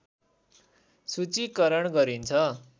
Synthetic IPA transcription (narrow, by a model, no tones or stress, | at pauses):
sut͡sikʌɾʌɳɡʌɾint͡sʰʌ